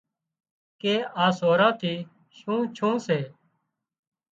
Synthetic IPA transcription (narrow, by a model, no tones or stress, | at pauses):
keːʔaːsoːɾãːt̪ʰiː | ʃũːt͡ʃʰũːseː